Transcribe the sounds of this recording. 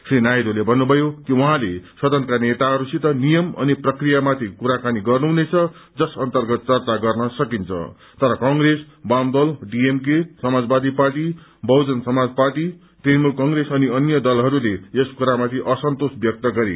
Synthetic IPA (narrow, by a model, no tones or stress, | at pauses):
srinajd̪olebʱʌnːubʱʌjokiuɦãlesʌd̪ʱʌnkanet̪aɦʌɾusit̪ʌnijʌmʌ̰niprʌkrijamat̪ʰikuɾakaniɡʌrnuɦunet͡sʰʌ | d͡zʌsʌnt̪ʌrɡʌt̪̚t͡sʌrt͡saɡʌrnʌsʌkint͡sʰʌ̰ | t̪ʌɾʌkʌŋɡɾes | bamd̪ʌlɖiemk̬esʌmad͡zbad̪iparʈibʱʌwd͡zʌnsʌmad͡zparʈi | ʈrenmulkʌŋɾesʌniʌnjʌd̪ʌlɦʌɾuleeskuɾamat̪ʰiʔʌsʌnt̪osbjʌk̚t̪ʌɡʌɾḛ